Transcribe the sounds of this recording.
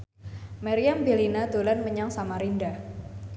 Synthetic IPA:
maɾiambilinad̪olanməɲaŋsamaɾinda

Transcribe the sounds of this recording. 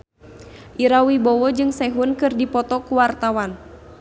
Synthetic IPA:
ʔiɾawibɔwɔd͡ʒɨŋsɛɦunkɨrdipɔt̪ɔkuwart̪awan

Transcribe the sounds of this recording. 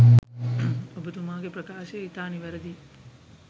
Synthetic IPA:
ɐbʱɐt̪umaːɡepɾɐkaːʃeit̪aːniʋɐɾɐd̪i

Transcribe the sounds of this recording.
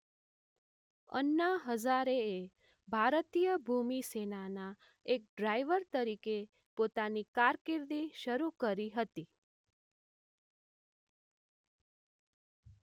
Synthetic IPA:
ə̰nːaɦəd͡ʒaɾee | bʱaɾt̪ijəbʱumisenana | ek̚ɖɾajʋəɾt̪əɾike | pot̪anikaɾkɪɾd̪iʃəɾukəɾiɦət̪i

